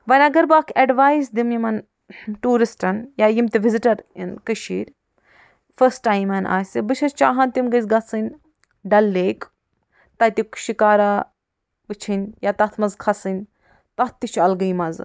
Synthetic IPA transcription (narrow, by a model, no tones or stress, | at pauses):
ʋɐnʲɐɡɐɾbaːkʰɐɖʋaːisd̪imjimɐn | ʈuːɾisʈɐnjaːjimt̪iʋiziʈɐɾḭnkɨʃiːɾʲ | fʰəsʈaːjmɐnʔa̰ːsʲibɨt͡ʃʰɐst͡ʃaːɦɐnt̪imɡɐzɡɐsɨnʲ | ɖɐlːeːk | t̪ɐt̪ʲikʃikaːɾaː | ʋɨt͡ʃʰinʲjaːt̪ɐt̪ʰmɐzkʰɐsɨnʲ | t̪ɐt̪̚ʰt̪it͡ʃʰɐlɡɐjmɐz